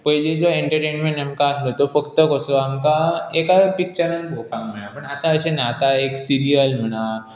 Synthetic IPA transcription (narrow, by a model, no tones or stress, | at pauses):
pəɦled͡zoeɳʈəɾʈenmẽɳʈamkaəslət̪ofəkt̪əkəsoamkaekapik̚t͡ɕəɾənbʱokʰãŋm̤əɽ̃apəɳat̪aəɕenat̪aeksiɾijəlm̤əɽ̃a